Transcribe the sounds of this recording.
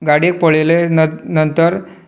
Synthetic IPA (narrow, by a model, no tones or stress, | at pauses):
ɡaɽik̚pəɭelenənt̪əɾ